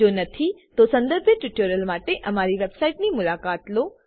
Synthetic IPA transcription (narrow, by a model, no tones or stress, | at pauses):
oːnɐt̪ʰit̪osɐ̃nd̪əɾbʱjəʈuʈoɾəlmaːʈeʔɐmaɾiʋebsaiʈnimʊlakaːt̪loː